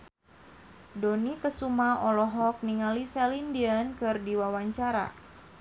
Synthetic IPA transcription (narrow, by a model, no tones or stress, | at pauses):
donikəsumaɔlɔɦɔk̚niŋalisalindiənkɨrdiwawaɲt͡ʃaɾa̰